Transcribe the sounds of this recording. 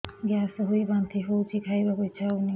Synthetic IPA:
ɡjasɔɦujbant̪ʰiɦowtʰikʰajbaɡojt͡ʃʰani

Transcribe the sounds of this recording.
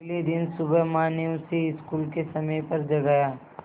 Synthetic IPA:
lid̪ɪnsʊbəɦmaːniusiɪskuːlkesɐməjpɐɾd͡ʒɐɡaːjaː

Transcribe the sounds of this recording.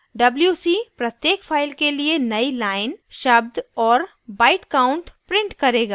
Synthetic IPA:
ɖɐbljuːsipɾɐt̪jeːkfʰaːɪlkelienɐilaːɪnʃɐbd̪ɔːɾ | baːɪʈkaːʊ̃ɳʈpɾɪ̃ɳʈkɐɾeːɡaː

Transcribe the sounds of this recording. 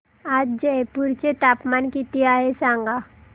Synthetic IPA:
ad͡ʑd͡ʑepuɾt͡ɕet̪apmankit̪iaɦesãŋɡa

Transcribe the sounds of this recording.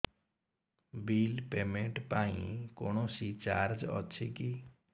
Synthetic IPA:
bilpemẽɳʈpaĩkoñoʃit͡ʃaɾd͡ʒɔ̰t͡ʃʰeki

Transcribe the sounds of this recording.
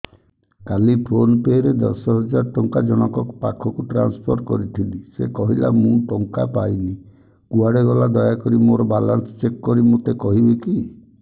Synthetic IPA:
kalipʰɾonpeɾed̪ɔ̰sɔɦɔd͡ʒaɾɔʈɔŋkad͡ʒɔɽ̃ɔkɔkpakʰɔkuʈɾanspʰɔɾʈkɔɾit̪ʰint̪isekɔɦila̰mũʈɔŋkapajbi | kuaɽeɡɔlad̪ɔjakɔɾimoɾɔbalaɾt̪t͡ʃekːɔɾimut̪ekɔɦibiki

